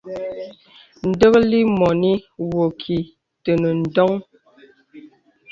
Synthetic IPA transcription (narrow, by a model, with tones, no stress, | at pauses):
n̩˨də˦kli˦mɔ˨ni˦wo˨kʰi˨ | tə˨nə˨n̩˨dɔ˦ŋ